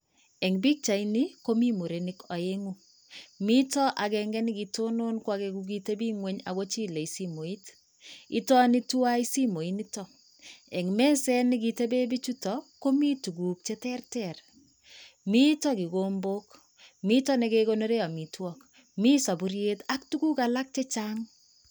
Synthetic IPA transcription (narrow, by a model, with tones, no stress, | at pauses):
ɛ˨ŋbi˦k̚t͡ʃa˨ini˦ko˦mi˦mo˨ɾe˨nikɔ˨eŋu˦ | mi˦tɔ˦ʔa˨kɛŋɡɛ˦nɪ˦ɡito˦no˦nkwa˦kekuɡ̬i˦te˦bi˦ŋwe˦ɲa̰˨ko˦t͡ʃi˦le˨isi˦mo˨i˦t | i˦tɔ˦ni˦tu˦wa˦i˦si˦mo˨i˦nitɔ˦ | ɛ˨ŋmɛ˦sɛ˦nɪ˦ɡi˨te˦be˦bi˦t͡ʃu˦tɔ˨ko˦mi˦tu˨ɡu˨k̚t͡ʃe˦tɛ˦rtɛ˨r | mi˦tɔ˦ki˨ɡoː˦mbo˦k | mi˦tɔ˦nɛ˨ke˦ko˦no˦ɾe˦a˨mi˨twɔ˦k | mi˦sa˨bu˨ɾje˦ta˦k̚tu˦ku˦ka˨la˦k̚t͡ʃe˦t͡ʃa˦ŋ